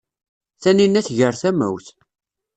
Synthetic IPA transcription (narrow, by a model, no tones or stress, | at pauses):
θæninːæθʝəɾθæmæ̰wθ